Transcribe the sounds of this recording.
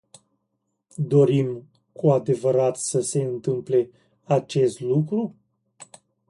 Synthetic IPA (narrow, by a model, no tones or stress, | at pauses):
d̪o̞ɾim | kʰuad̪e̞vəɾat̪səse̞ɨnt̪ɨmple̞ | at͡ʃe̞st̪lukɾu